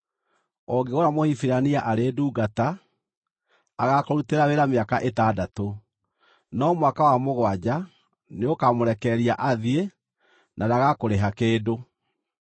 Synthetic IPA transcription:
ɔɡeoɾamohifiɾaniaʔaɾeːduːɡata | ɣakɔɾuteɾaweɾameakaʔetadato | nɔmwakawamoɣwad͡ʑa | neokamoɾɛkɛɾiaʔaðie | nʔaɾaɣakoɾeɦakeːdo

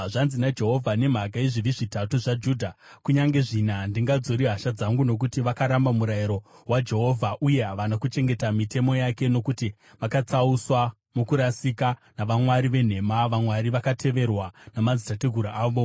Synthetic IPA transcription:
ʐanzinad͡ʒe̞ɦo̞vʱane̞m̤aɡaiʐiʋiʐitatuʐad͡ʒuːdʱakuɲaŋɡe̞ʐinandiŋɡad͡zo̞ɾiɦaʃad͡zaŋɡuno̞k̬utiʋakaɾambamuɾajiɾo̞ɦwad͡ʒe̞ɦo̞vʱaʔuje̞ɦaʋanakut͡ʃe̞ŋɡe̞tamite̞mo̞jake̞no̞kuti | ʋakat͡sauswa | mokuɾasikanaʋamwaɾiʋe̞n̤e̞maʋamwaɾiʋakatʰe̞ʋe̞rwanamad͡zitateɡʱuɾaaːʋo̞

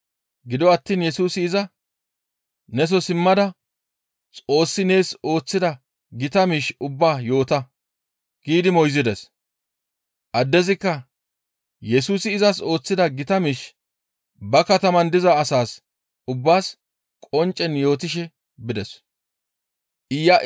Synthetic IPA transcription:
ɡɪd̪ɔɐt̪ːiːnjɛsuːsɪːzɐ | nɛs̬ɔsɪmːɐd̪ɐ | t͡sʼo̞ːsːɪne̞ːso̞ːt͡sːɪd̪ɐ | ɡɪt̪ɐmiːʃʊbːaːjo̞ːt̪ɐ | ɡ̥iːd̪ɪmɔjzɪd̪ɛs | ʔɐd̪ːɛzɪkːɐ | jɛs̬uːsɪːzɐs̬o̞ːt͡sːɪd̪ɐɡɪt̪ɐmiːʃ | bɐkɐt̪ɐmɐnd̪ɪzɐːsaːs | ʊbːaːs | kʼɔnt͡ʃʼːɛnjo̞ːt̪ɪʃ̬ɛ | bɪd̪ɛs | ʔɪjːaʔ

